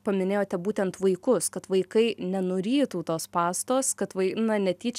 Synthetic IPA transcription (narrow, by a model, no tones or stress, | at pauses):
pɐmʲɪnʲeːjoːt̪ʲɛbuːt̪ʲɛnt̪ʋɐɪkʊskɐt̪ʋɐɪkɐɪnʲɛnoːɾʲiːt̪uːt̪oːspɑːst̪oːskɐt̪ʋɐɪnɐnʲɛt̪ʲiːt͡ʃʲ